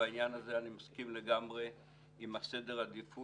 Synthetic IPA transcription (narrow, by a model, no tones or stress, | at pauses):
ainjanaze̞animaskimle̞ɡamʁe̞ | imasede̞ʁhad̪ifu